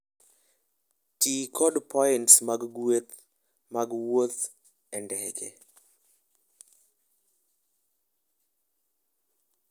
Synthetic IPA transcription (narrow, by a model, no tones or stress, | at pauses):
tikʰɔdpʰɔɪntsmaɡɡwet̪ | maɡwot̪ | ɛndɛɡɛ